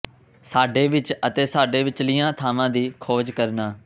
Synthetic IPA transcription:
saːɖeːʋɪt͡ʃət̪eːsaːɖeːʋɪt͡ʃliːjãːt̪ʰaːmãːd̪iːkʰoːd͡ʒkəɾnaː

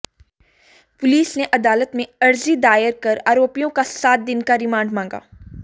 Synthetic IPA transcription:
pʊliːsneʔɐd̪aːlət̪mẽɐɾzid̪aːɪəɾkɐɾaːɾoːpijõkasaːt̪̚d̪ɪnkaɾɪmãːɳɖmãːŋɡa̰ː

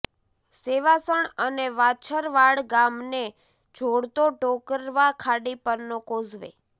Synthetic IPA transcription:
seʋasəɳəneʋat͡ʃʰəɾʋaɽɡamne | d͡ʒʱoɽt̪oʈokəɾʋakʰaɽipəɾnokozʋḛ

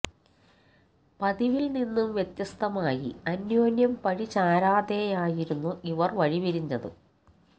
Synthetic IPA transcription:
pɐðiʋilninːumʋjet̪jɐst̪ʰɐmaːjḭɐnjoːnjɐmpɐɻit͡ɕaːɾaːd̪ejaːjiɾunːuʔiʋɐrʋɐɻibɐɾiɲːɐðɨ̰

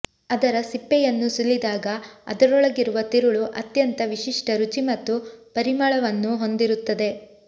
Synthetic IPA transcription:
ɐd̪ɐɾɐsipːɛjɐnːusulːid̪aːɡɐɐ̰d̪ɐɾɔɭɐɡiɾuʋɐt̪iɾuɭuʔɐt̪jɐnt̪ɐʋiʃiʂʈɐɾut͡ʃimɐt̪ːupɐɾimɐɭɐʋɐnːuɦo̞nd̪iɾut̪ːɐd̪e̞

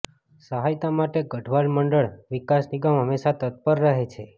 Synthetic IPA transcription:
səɦajt̪amaʈeɡəʈʰʋalməɳɖəɭʋikasniɡamɦəmeʃat̪ət̪̚pəɾːəɦet͡ʃʰe

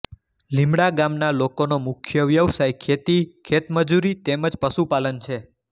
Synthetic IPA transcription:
limɽaɡamnalokonomʊkʰjəʋjəʋsajkʰet̪ikʰet̪məd͡ʒuɾit̪eməd͡ʒpəsupalənt͡ʃʰe

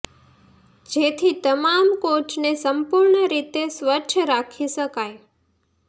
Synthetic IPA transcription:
d͡ʒet̪ʰit̪əmamkoʈnesəmpuɾɳəɾit̪esʋət͡ʃʰəɾakʰisəkaj

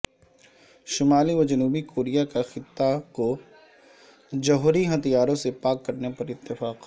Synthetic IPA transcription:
ʃɪmaːliʋɐd͡ʒɐnuːbikʰoːɾijakaxɪt̪ːako | d͡ʒɐɦʊɾiɦɐt̪ijaːɾõsepaːkːɐɾnepɐɾɪt̪ːɪfaːq

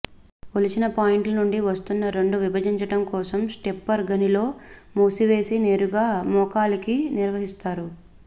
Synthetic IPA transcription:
olit͡ʃinɐpaːjiɳʈlɐnuɳɖiʋɐst̪unːɐɾe̞ɳɖuʋibʱɐd͡ʒiɲt͡ʃɐʈɐmkɔːsɐmsʈepːɐɾɡɐnilo̞ːmuːsiʋe̞ːsine̞ːɾuɡaːmɔːkaːlikiniɾʋɐɦist̪aːɾu

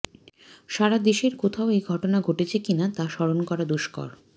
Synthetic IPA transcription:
ʃaɾad̪eʃeɾkot̪ʰaoejɡʱɔʈonaɡʱoʈet͡ɕʰekinat̪aʃɔɾonkɔɾad̪oʃkɔ̰ɾ

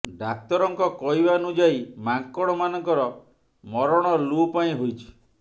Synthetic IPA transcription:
ɖak̚t̪ɔɾɔŋkɔkɔɦibanud͡ʒaimaŋkɔɽ̃ɔmanɔŋkɔɾɔ | mɔɾɔɽ̃ɔlupaĩɦojt͡ʃʰi̥

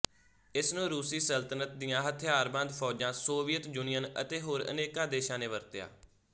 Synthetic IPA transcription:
ɪsnũːɾuːsiːsəlt̪ənət̪̚d̪ɪjãːɦət̪ʰɪjaːɾbãːnd̪pʰɔːd͡ʒãːsoːʋijət̪juːnijənə̰t̪eːɦoːɾə̰neːkaːd̪eːʃãːneːʋəɾt̪ɪja̰ː

